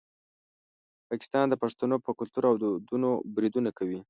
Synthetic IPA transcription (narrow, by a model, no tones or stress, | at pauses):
pɑkɪ̥st̪ɑnd̪əpaʂt̪anopəkʊlt̪uɾawd̪əd̪unobɾid̪unakawi